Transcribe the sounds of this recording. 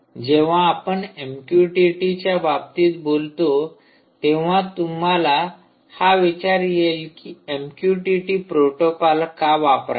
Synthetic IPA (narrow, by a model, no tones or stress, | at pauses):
d͡ʑeʋ̤ãːpəɳemkjuʈiʈit͡ɕjababt̪iːt̪bolt̪o | t̪eʋ̤ãt̪umala | haʋit͡ɕaɾjelkiemkjuʈiʈipɾoʈokɔlkaʋapɾa̰